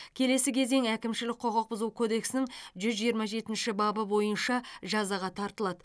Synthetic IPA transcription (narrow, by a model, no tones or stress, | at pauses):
kʲʰe̞le̞sɪkʲʰe̞ze̞ŋækʲɪmʃɪlɪk̚qʰo̞ʁɑq̚bʊzuwkʰo̞d̪e̞ksɪnɪŋʒʏzʒijəɾmɑʒe̞t̪ɪnʃɪbɑbəbo̞jənʃɑʒɑzɑʁɑt̪ʰɑɾt̪əlˠɑd̪ə